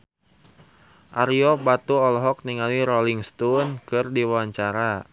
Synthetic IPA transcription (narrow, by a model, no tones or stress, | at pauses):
ʔaɾiɔbat̪uɔlɦɔk̚niŋaliɾɔliŋst̪ɔnkɨrdiwaɲt͡ʃaɾa